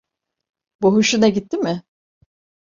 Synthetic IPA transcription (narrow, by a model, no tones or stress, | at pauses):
buɦuʃunaɟit̪ːimɪ